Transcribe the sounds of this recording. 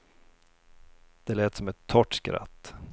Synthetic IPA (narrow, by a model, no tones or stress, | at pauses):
d̪̥ɛlɛːt̪sɔmɛt̪ʰːɔʈːskɾa̰t̪ː